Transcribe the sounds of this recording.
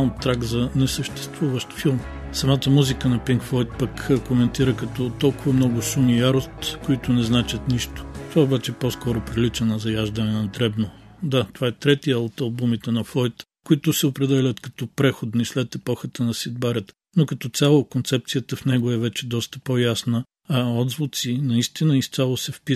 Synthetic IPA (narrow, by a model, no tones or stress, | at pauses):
nt̪ːɾaɡzɐnɛsəʃt̪ɛ̥st̪vuvəʃt̪filˠm | sɐmat̪əmuzikənɐpiŋkflˠɔjt̪̚pəkkomɛnt̪iɾəkɐt̪ɔt̪ɔlˠkʊvɐmnɔɡʊʃumijaɾost̪koit̪ʊnɛznat͡ʃət̪niʃt̪ʊ̥t̪ovaobat͡ʃɛpɔskɔɾʊpɾilit͡ʃɛnɐzɐjaʒd̪ənɛnɐd̪ɾɛbnod̪at̪ovaɛt̪ɾɛt̪ijəot̪ɐlˠbumit̪ɛnɐflˠɔjt̪ | kʊit̪ʊsɛopɾɛd̪ɛlʲɐt̪kɐ̥t̪ɔpɾɛxod̪nislɛt̪ɛpɔxət̪ənɐsid̪̚baɾət̪ | nokɐt̪ɔt̪sʲalˠokont̪sɛp̚t̪sijət̪əfnɛɡoɛvɛt͡ʃɛd̪ɔst̪ə̥pojasnə | ɔd̪zvʊt̪sinɐist̪inəist̪sʲalˠosɛfpi